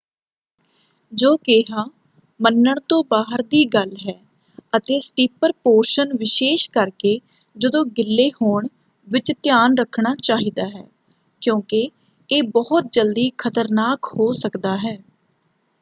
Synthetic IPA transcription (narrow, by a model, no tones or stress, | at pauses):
d͡ʒoːkeːɦaː | mənːəɳt̪õːbaːɦəɾd̪iːɡəlɦɛː | ət̪eːsʈiːpəɾpoːɾʃənʋɪʃeːʃkəɾkeː | d͡ʒəd̪õːɡɪlːeːhoːɳ | ʋɪt͡ʃt̪ɪjaːnɾəkʰɳaːt͡ʃaːɦiːd̪aːɦɛ̰ː | kjõːkɪ | eːbɔːʊt̪̚d͡ʒəld̪iːkʰət̪əɾnaːkhoːsəkd̪aːɦɛː